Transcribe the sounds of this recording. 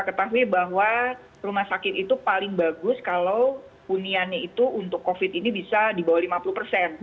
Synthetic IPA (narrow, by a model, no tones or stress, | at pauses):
kət̪aɦuibaɦwa | rumahsakɪt̪it̪upalɪŋbaɡʊskalow | unianɲait̪uunt̪ʊkːofɪt̪̚inibisadibawalimapuluhpərsɛn